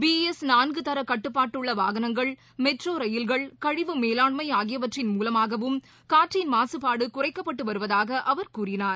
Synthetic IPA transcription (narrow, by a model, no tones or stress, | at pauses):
biːɛsnaːnɡɯt̪ɐɾɐkɐʈːɯpːaːʈːɯɭːɐʋa̰ːɣɐnɐŋɡɐɭ | mɛʈroːɾɐjɪlɣɐɭkɐɻɪʋɯmeːlaːɳmɐɪaːɣɪjɐʋɐʈrɪnmuːlɐmaːɣɐʋɯm | kaːʈrɪjnmaːsɯpaːɽɯkʊrɐɪkːɐpːɐʈːɯʋɐɾɯʋɐðaːɣɐʔɐʋɐɾkuːrɪnaːɾ